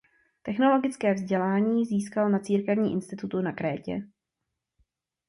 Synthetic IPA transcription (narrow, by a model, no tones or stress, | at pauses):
t̪ɛxno̞lo̞ɡɪt͡skɛːvzɟɛlaːɲiːziːskalnat͡siːɾkɛvɲiːʔɪnst̪ɪt̪ut̪unakɾɛːcɛ̰